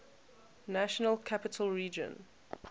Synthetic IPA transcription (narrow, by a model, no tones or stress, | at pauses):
naʃɔnəlkʰapɪtʰəlˠɹiːd͡ʒə̰̃n